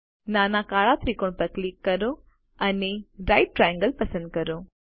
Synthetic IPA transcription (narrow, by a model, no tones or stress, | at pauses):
naːnakaːɭat̪ʰɾikoɳpɐɾklikːɐɾo | ɐneɾaːɪʈ̚ʈɾajə̃ŋɡəlpɐsə̃nd̪̚kɐɾo